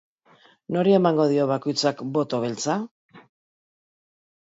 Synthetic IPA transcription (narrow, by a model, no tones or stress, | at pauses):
no̞ɾie̞maŋɡo̞ðio̞β̞ako̞jt͡sakbo̞t̪o̞β̞e̞lt͡sa